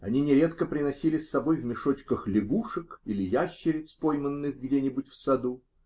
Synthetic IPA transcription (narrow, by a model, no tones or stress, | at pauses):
ɐnʲinʲɪɾʲe̞t̪kəpɾʲɪnɐsʲilʲɪsːɐbo̞jvmʲɪʂo̞t͡ɕkəxlʲɪɡuʂəkilʲɪjaɕːɪɾʲɪspo̞jmənːɨxɡdʲenʲɪbʊtʲfsɐd̪u